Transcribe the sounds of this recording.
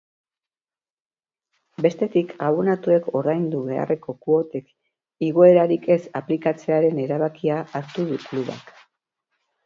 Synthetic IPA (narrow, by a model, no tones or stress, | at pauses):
be̞st̪e̞t̪ikaβonat̪ue̞ko̞ɾðajnd̪uβe̞a̰re̞ko̞kuo̞t̪e̞k | iɣ̞o̞e̞ɾaɾike̞saplikat͡se̞aɾe̞ne̞ɾaβakiaʔːɾt̪uðukluβa̰k